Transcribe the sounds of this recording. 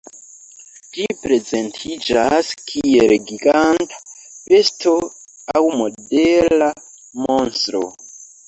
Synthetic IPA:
d͡ʒipɾe̞zentʰid͡ʒaskʰielɡiɡantḁpestʰo | awmo̞dela | monstɾo̰

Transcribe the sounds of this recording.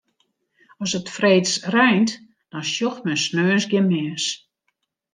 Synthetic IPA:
ɔsətfreːtsrœjnt | d̥ɔnʃjoxt̚mɛnsnøːənsɡɪnmɛːs

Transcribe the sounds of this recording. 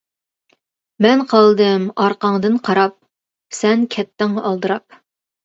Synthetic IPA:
mɛnqʰɑlˠd̪ɨmɑɾqɑŋd̪ɨnqʰɑɾɑp̚ | sɛnkʲʰɛt̪ːɪŋɑlˠd̪ɨɾɑp̚

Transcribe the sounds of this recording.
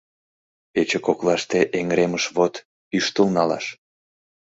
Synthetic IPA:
pet͡ɕekoklɑʃt̪eʔeŋɾeməʃβot̪ | yʃt̪əlnɑlɑ̰ʃ

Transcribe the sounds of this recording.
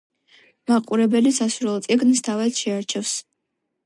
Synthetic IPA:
maqʼuɾɛbɛlisasuɾɛlˠt̪sʼiɡnst̪ʰavad̪̥ʃɛaɾt͡ʃʰɛfs

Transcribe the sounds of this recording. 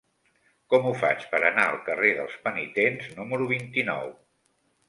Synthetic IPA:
kɔmufa̰t͡ʃpəɾənaəlˠkəreðəlˠspənit̪enznuməɾuβ̞int̪inɔ̰w

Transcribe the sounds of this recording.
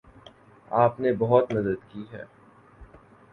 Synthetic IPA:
aːpnebɐɦɔt̪mɐd̪əd̪kiɦɛ̰ː

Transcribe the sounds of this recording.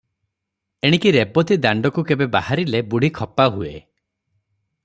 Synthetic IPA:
eɽ̃ikiɾebɔt̪id̪aɳɖɔkukebebahaɾilebuɽ̤ʱikʰɔpaɦue

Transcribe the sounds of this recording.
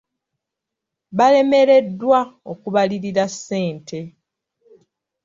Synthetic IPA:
βale̞me̞ɾe̞dːwao̞kuβaliɾiɾasːe̞ːntʰe̞

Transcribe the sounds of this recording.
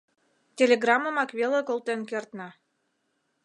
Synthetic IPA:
tʲelʲeɡrɑmə̆mɑkβelekolˠt̪enkert̪nɑ

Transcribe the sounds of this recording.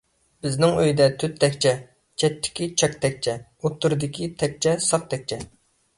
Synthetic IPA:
b̥ɪznɪŋøjd̪ɛt̪ʰyt̪ʰːɛkʲt͡ʃʰɛ | t͡ʃʰɛt̪ʰːɪ̥kʲit͡ʃʰɛk̚ʲt̪ʰɛk̚ʲt͡ʃʰɛot̪ʰːuɾɨd̪ɪkʲʰit̪ʰɛk̚ʲt͡ʃʰɛsɑq̚t̪ʰɛk̚ʲt͡ʃʰɛ

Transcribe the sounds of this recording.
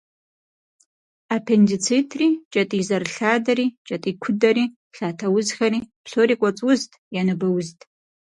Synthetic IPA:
aːpʰendit͡sʰitʰriːt͡ʃʼɐtʼiːzɐrɬaːdɐɾiːt͡ʃʼɐtʼiːkʷʰʊdɐɾiː | ɬaːtʰɐwʊzxɐɾiːpɬoːɾikʷʼɔt͡sʼwʊztʼjanɨbɐwʊztʼ

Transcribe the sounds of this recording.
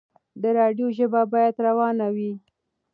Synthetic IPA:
d̪əɾɑɖjoʒəbabɑjad̪ɾawɑnawi

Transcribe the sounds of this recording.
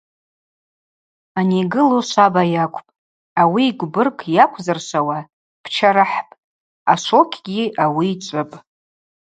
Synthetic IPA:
aneɡɨloʃʷabajakʷʰʼpʼ | awiːɡʷbɨrkʼʰjakʷʰzɨrʃʷawa | pʰt͡ʃʰaɾɨħpʼ | aʃʷo̞kʲʰɡʲiʔawiːt͡ʃʷʼɨpʼ

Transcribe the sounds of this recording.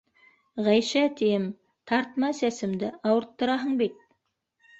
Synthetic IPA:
ʁɑjʃɑt̪ʰeɪm | t̪ʰɑɾt̪əmɑsæsɪmd̪ɪɑwəɾt̪ːəɾɑɦəɴbek̚

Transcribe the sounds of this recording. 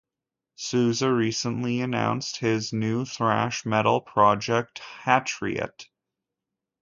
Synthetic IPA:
sʉzəɹisə̃nliɨnã̰ʊ̃nst̚hɪznʉθɹæ̰ʃmɛɾl̩ˠpʰɹ̥ɑd͡ʒɛk̚thæt͡ʃɹ̥ḭɨ̰t

